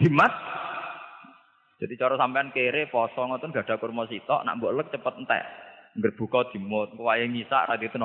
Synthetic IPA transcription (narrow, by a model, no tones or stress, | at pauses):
d̪̥i̤mas | d̥ʒ̥a̤d̪̥it͡ʃɔɾɔsampɛankeɾepɔsɔŋɔnt̪ʊnɡ̥a̤ɖ̪̥akurmɔsit̪ɔ̰ʔna̰ʔmbɔʔlək̚t͡ʃəpət̪̚nt̪ɛ̰ʔŋɡərb̥ṳkɔd̪̥i̤mʊt̪̚kəwajeŋisa̰ʔrad̪̥ot̪ən